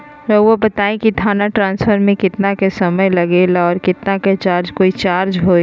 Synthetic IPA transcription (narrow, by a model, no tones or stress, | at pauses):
ɾɔʋobət̪aːẽkit̪ʰaːnaʈɾãːnsfəɾmẽkɪt̪nakesɐməjlɐɡeːlaɔːɾkɪt̪naket͡ʃaːɾd͡ʒkoːit͡ʃaːɾd͡ʒɦoː